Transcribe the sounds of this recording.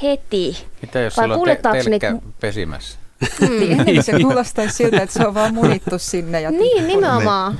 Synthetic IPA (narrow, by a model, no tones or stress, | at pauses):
het̪imit̪æjosʋɑikuːlet̪ːɑːesnikːæpesḭmæ̰s | ienːesekkuːlost̪ɑissilt̪æet̪seoʋʋɑːmmunit̪ːussinːejɑniːnnimeomɑː